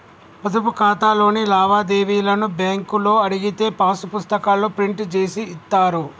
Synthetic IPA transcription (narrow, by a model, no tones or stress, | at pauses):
pɐd̪ɐpukaːt̪aːlo̞ːnilaːʋaːd̪eːʋiːlɐnubaːŋkulo̞ːɐɽiɡit̪e̞ːpaːsupust̪ɐkaːloːpɾiɳʈt͡ʃe̞ːsiːt̪ːaːɾu